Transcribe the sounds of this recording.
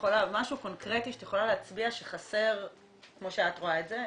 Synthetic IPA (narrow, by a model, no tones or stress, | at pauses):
olamaʃuko̞nkʁe̞tiʃe̥tjeχo̞laleːt͡sbiaʃeχase̞ʁ | kmo̞ʃeatʁoaetze̞